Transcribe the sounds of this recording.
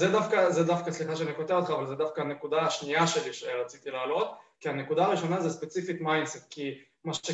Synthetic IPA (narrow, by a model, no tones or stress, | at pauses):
zed̪afkazed̪afkasliχaʃeaniko̞t̪eʁot̪χaːvalzed̪afkaane̞kud̪aːʃniaʃe̞liʃeʁat͡sit̪ileːlo̞t̪kiane̞kudaːʁiʃo̞nazespet͡sifit̪majnset̪̚ki | maʃe